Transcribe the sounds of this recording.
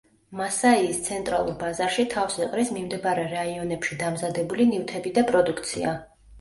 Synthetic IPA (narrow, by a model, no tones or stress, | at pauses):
masaiːst̪sʰɛnt̪ʼɾa̰lˠṵɾbazaɾʃit̪ʰafsɛqʼɾismimd̪ɛbaɾɛɾaiɔnɛpʃid̪amzad̪ɛbulinift̪ʰɛbid̪apʼɾɔd̪ukʰt̪sʰḭa